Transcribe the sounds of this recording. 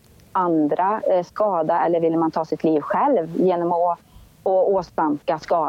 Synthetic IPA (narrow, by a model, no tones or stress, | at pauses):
and̪ɾaskɑːd̪aɛlːəɾvɪlːəmant̪ʰɑːsɪt̪ʰliːvɧɛlvjeːnɔmɔ | ɔoːst̪amkaskɑː